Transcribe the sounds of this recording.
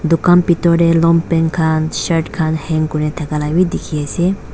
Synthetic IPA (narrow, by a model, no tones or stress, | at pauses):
d̪ukanpit̪ɔɖelɔmpeŋkʰanʃɐɾʈkʰanhɛŋkunet̪ʰɐkalawid̪ikʰijese